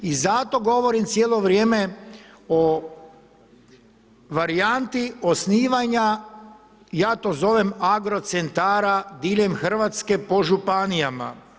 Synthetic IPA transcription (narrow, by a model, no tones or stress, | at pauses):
izat̪o̞ɡo̞ʋo̞ɾimt̪sʲjeːlo̞ʋɾjeːme̞ | o | ʋaɾijant̪iosniːʋaɲa | jaːt̪oːzo̞ʋemaɡɾo̞t̪sent̪aːɾad̪iʎemxr̩ʋat̪ske̞po̞ʒupanijama̰